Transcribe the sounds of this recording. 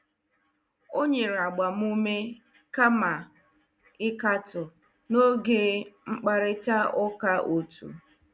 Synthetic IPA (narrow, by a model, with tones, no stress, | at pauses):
o˦ɲe˨ɾa˨ɡ͡ba˨m̩˦u˦me˦ | ka˦ma˨ | ɪ˦ka˦tʊ˨ | no˦ɡe˦ŋ͡m̩˦k͡pa˨ɾɪ˦ta˦ʊ˦ka˦ʔo˨tṵ˨